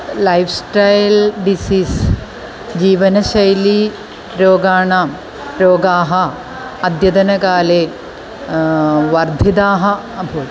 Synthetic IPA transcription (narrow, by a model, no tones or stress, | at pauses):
lɐjfsʈɐjlɖisiːs | d͡ʑiːʋɐnɐɕɐjli | ɾoːɡaːɳaːm | ɾoːɡaːɦɐː | d̪jɐd̪ɐnɐkaːleː | ʋɐrd̪ʱid̪aːɦɐ | ɐbʱoː